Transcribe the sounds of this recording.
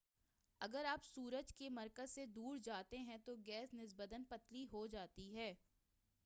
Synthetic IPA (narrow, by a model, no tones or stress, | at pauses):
ɐɡəɾaːpsuːɾəd͡ʒkemɐɾkəzsed̪uːɾd͡ʒaːt̪eɦɛ̃t̪oɡɛːsnɪzbəd̪ənpɐt̪liɦod͡ʒaːt̪iɦɛː